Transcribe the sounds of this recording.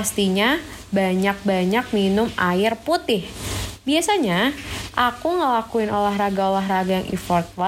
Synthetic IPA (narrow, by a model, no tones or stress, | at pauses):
ast̪iɲabaɲak̚baɲak̚minʊmaɪrput̪ɪhbiasaɲaʔakuŋəlakuɪnolaɦɾaɡaolaɦraɡajaŋʔḭfɔrt̪̚wa